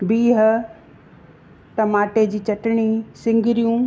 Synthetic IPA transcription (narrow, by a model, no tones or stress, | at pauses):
biːɦə̆ | ʈɐmaːʈed͡ʑiːt͡ɕɐʈɪɽ̃isɪ̃ŋɡɪɾijũ